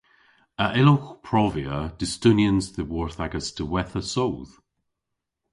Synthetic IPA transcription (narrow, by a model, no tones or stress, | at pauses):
əʔɪloxpʰɹ̥ɔvjəd̥ɪstʊnjənzðəwɔɹθaɡəsdʰəwɛθəsowð̥